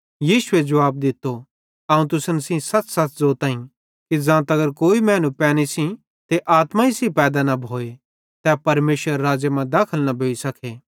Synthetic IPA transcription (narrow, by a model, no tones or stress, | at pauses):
jiːsʊed͡ʒɐʋaːb̚d̪ɪt̪ːo | ɐũt̪ʊsənsĩsɐt͡ssɐtzoːt̪ãːĩ | kid͡zãːt̪ɐɡəɾkoːimɛ̃ːnũpɛːñisĩ | t̪eʔaːt̪mãisipɛːd̪anɐbʱoːe | t̪ɛpɐɾmeːsʋəɾːaːd͡ʒjemãd̪aːkʰəlnɐbʱoːisɐkʰeː